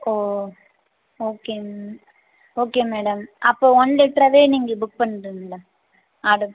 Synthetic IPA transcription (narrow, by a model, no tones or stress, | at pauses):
oː | oːkeː | oːkeːmeːɽɐmɐpːoːɔnlɛk̚ʈɾɐʋeːniːŋɡɐbʊk̚pɐɳːɾɯŋlɐ | aːɽɯ